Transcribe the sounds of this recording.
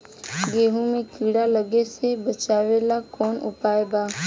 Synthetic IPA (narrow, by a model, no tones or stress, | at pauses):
ɡeːɦũmẽkiːɽaləɡesebət͡ʃaːʋelakɔːnʊ̰paːebaː